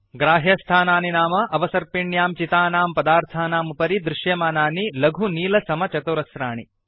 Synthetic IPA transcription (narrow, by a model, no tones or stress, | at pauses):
ɡɾaːɦjɐst̪ʰaːnaːninaːmɐʔɐʋɐsɐɾpiɳjaːmt͡ʃit̪aːnaːmpɐd̪aːɾt̪ʰaːnaːmupɐɾid̪ɾɪʃjɐmaːnaːnilɐɡʱuniːlɐsɐmɐt͡ʃɐt̪uɾɐsɾaːɳi